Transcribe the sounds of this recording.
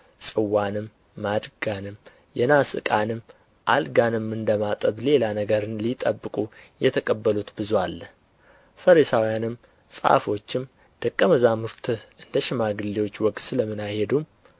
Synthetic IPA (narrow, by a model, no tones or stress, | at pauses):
sʼɨwːanɨmː | ad̪ɡanɨm | jɛnasɨ̰kʼanɨmː | ʔalɡanɨmːɨnd̪əmat̪ʼəβle̞lanəɡəɾɨnlit̪ʼəbːɨkʼujɛt̪ʰəkʼəbːəlut̪bɨzwalː | fəɾisawijanɨmː | sʼa̰fo̞t͡ʃːɪm | d̪̥əkʼːəməzamuɾt̪ʰɨʔɨnd̪əʃɪmaɡɨlːewo̞t͡ʃːwɔkʼt̪sɨləmːɨnahed̪um